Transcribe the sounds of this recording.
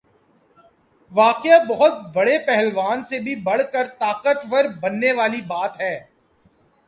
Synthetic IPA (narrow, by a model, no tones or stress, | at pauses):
ʋaːqɪabɐɦʊt̪̚bɐɽepɛɦɛlʋaːnsebʱibɐɽkəɾt̪aːqət̪ʋəɾbɐnːeʋaːlibaːt̪ɦɛː